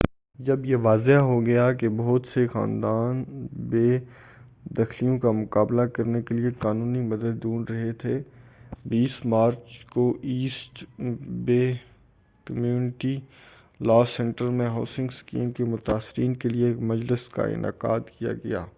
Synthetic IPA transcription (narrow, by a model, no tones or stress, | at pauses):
d͡ʒɐbjeʋaːzeɦɦoɡɐjakebɐɦʊt̪sexa̰ːnd̪aːnbeː | d̪ɐxlijõkamʊkaːblakɐɾnekeliekaːnũːnimɐd̪əd̪ːuːnɾɐɦet̪ʰeːbiːsmaːɾt͡ʃkoʔiːsʈbeː | kəmjuːnɪʈi | laːsɛ̃ɳʈəɾmẽɦaːsɪ̃ŋɡskḭːmkemʊt̪aːsɪɾiːnkeliekmɐd͡ʒlɪska̰ɪ̰nʔa̰ːqa̰ːt̪kija̰ɡɐja̰ː